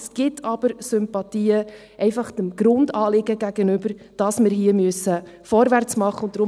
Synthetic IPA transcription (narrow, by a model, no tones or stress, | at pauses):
sɡ̥ɪtʰɑb̥əɾsʏmpɑtiːə | ʔɛɪfɑχdəmɡ̥ɾʊndɑːlɪɡəɡæɡ̥ənʏbəɾ | d̥ɑsmɪɾɦiːəmyəsə | fɔɾʋært͡smɑχːəʊnd̥ɾʊ